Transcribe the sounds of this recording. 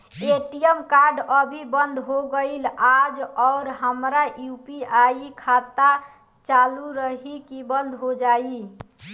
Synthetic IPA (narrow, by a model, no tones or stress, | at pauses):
eʈijəmkaɾɖəbʱibənd̪ʱɦoɡəɪlad͡ʒɔʊɾɦəmɾajupiaikʰat̪a | t͡ʃaluɾəɦikibənd̪ʱɦod͡ʒai